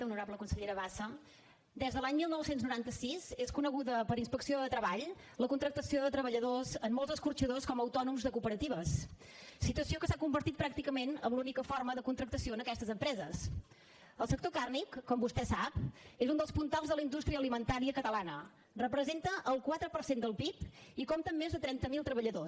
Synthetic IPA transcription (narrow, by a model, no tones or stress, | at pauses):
əunuɾabləkunsəʎeɾəβasə | d̪ɛzðəlaɲmilˠnɔwsenznuɾant̪əsizeskunəɣuðəpəɾinspəksioðət̪ɾəβaʎ | ləkunt̪ɾək̚t̪əsioðət̪ɾəβəʎəðozəmːolˠzəskuɾt͡ʃəðoskɔməwt̪ɔnumzðəkupəɾət̪iβəs | sit̪uəsiokəsakumbəɾt̪it̪̚pɾak̚t̪ikəmenəmlunikəfɔrməðəkunt̪ɾək̚t̪əsioənəkɛst̪əzəmpɾɛzəs | əlˠsək̚t̪okarnikːɔmbust̪ɛsapezund̪əlˠspunt̪alˠzðələind̪ust̪ɾiəlimənt̪aɾiəkət̪əlanə | rəpɾəzent̪əʔəlˠkwat̪ɾəpəɾsend̪əlˠpipikomt̪əmːezðət̪ɾɛnt̪əmilˠt̪ɾəβəʎəðos